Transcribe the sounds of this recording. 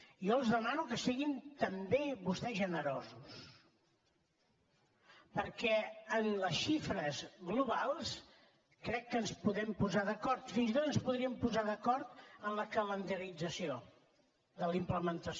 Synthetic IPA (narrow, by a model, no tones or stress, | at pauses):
iɔəlˠzðəmanukəsiɣint̪əmbeβust̪ɛʒənəɾɔzus | pəɾkɛənləsʃifɾəzɣluβalˠs | kɾɛkːənspuðɛmpuzaðəkɔrt̪finzit̪ot̪ənspuðɾiəmpuzaðəkɔɾt̪əmləkələnd̪əɾid͡zəsio | ðəlimpləmənt̪əs